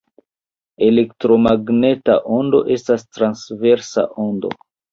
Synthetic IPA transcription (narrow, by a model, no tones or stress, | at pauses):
e̞le̞ktɾo̞maɡne̞ta̰ʔo̞ndo̞̰ʔe̞stastɾansve̞ɾsa̰ʔo̞ndo̞̰